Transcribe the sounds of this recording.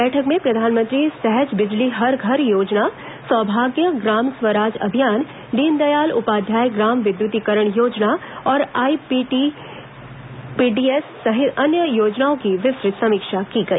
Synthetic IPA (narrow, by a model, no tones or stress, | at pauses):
bɛːʈʰəkmẽpɾɐd̪ʱaːnmə̃nt̪ɾisɛɦəd͡ʒbɪd͡ʒliɦɐɾɡʱɐɾjoːd͡ʒna | swɔːbʱaːɡjəɡɾaːmswəɾaːd͡ʒɐ̰bʱijaːn | ɖ̪iːnd̪ɐjaːlʊ̰paːd̪ʱjaːjɡɾaːmʋɪd̪jʊt̪ikəɾəɽ̃joːd͡ʒnaɔːɾaːipiːʈi | piːɖiːesːɐɦɪt̪ɐnjəjoːd͡ʒnaõkiʋɪsɾɪt̪sɐmiːkʃakiɡɐḭː